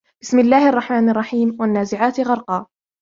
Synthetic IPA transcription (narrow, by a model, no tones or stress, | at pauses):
b̥ɪsmɪlːaːhɪʔɑrˤːɑħmaːnɑrˤːɑħiːmwanːaːzɪʕaːt̪ɣɑɾˤqɑː